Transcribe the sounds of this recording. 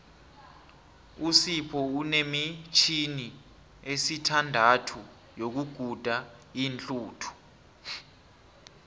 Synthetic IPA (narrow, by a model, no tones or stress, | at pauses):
usipʰɔunemit͡ʃʰini | esitʰandʱatʰu | jok̬uɡ̥ʱud̥ʱaint͡ɬʼuːtʰu̥